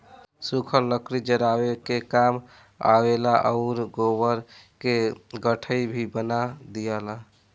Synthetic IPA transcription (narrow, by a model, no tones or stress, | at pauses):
sukʰəlːəkɾid͡ʒəɾawekekam | a̰welaʔə̰ʊɾɡobəɾkeɡəʈʰəibʱibənad̪ijala